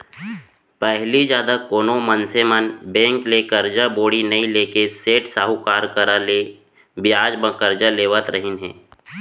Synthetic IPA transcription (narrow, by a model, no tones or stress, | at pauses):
pɛɦlid͡ʒjaːd̪akoːnomənsemənbɛ̃ːŋklekəɾd͡ʒaboːɽinɐĩleːkeseːʈsaːɦukaːɾkəɾaleː | bɪjaːd͡ʒbə̃kəɾd͡ʒaleːʋət̪ɾəɦɪnɦɛ̰ː